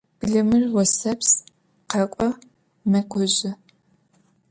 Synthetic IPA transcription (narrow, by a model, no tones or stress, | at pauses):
b̥ɮɨmɨrwɔsɐps | qɐkʷʼɔ | mɐkʷʰɔʑɪ